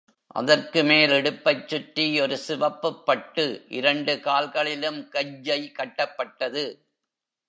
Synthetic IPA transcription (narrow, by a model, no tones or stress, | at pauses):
ʔɐ̰ðɐrkɯmeːlɛɽɯpːɐɪt͡ʃːʊʈːiɔɾɯsɪʋɐpːɯpːɐʈːɯʔɪɾɐɳɖɯkaːlɣɐɭɪlɯmkɐjːɐɪkɐʈːɐpːɐʈːɐðɯ